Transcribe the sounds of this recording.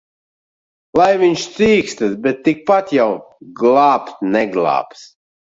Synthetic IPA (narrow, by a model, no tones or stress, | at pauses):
lˠajviɲʲʃt̪siːkst̪ɨsbɛt̪ːik̚pat̪jawɡlˠaːpt̪nɛɡlˠa̰ːps